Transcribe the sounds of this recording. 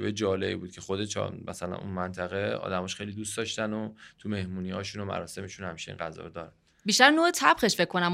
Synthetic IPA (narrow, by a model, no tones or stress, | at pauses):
vejd͡ʒɒːleḭːbuːd̪̥̚cʰe̞xo̞d̪et͡ʃʰɒ̰mæsælæ̰nṵnmænt̪ʰæɣeɒ̰ːd̪æmɒːʃχxejliːd̪ustd̪ɒːʃt̪ænot̪ʰume̞hmuːniɒːʃunomæ̰ɾɒːse̞meʃunhæmʃeḭnɢæzɒ̰ːɾd̪ɒːɾæn | biːʃt̪æɾnoːet̪ʰæbχeʃfe̞kʰːo̞næm